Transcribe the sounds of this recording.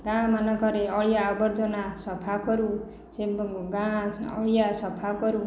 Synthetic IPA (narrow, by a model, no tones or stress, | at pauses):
ɡãmanʌkʌɾeʌɭijaːbʌrd͡zʌnasʌpʰakʌɾu | sembɡãʌ̰ɭijasʌpʰakʌɾu